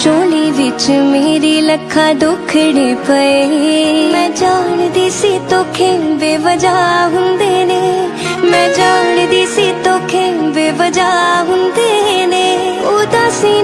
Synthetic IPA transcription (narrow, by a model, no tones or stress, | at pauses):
t͡ʃoːliʋɪt͡ʃmeːɾiləkʰːaːɖ̪ʊkʰɽipəe | mɛ̃ːd͡ʒaːnd̪iːsit̪oːkʰebeːʋəd͡ʒaːɦʊ̃nd̪ene | mɛ̃ːd͡ʒaːnd̪iːsit̪oːkʰeʋeːʋəd͡ʒaːɦʊ̃nd̪eːneːoːd̪ãːsiː